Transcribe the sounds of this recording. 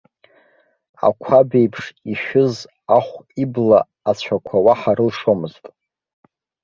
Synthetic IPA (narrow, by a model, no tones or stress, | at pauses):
a̰kʷʰabe̞jpʰʂiʃᶣʊz | aχʷiblaː | t͡ɕʷʰakʷʰawaħaɾɨlʂomɨztʼ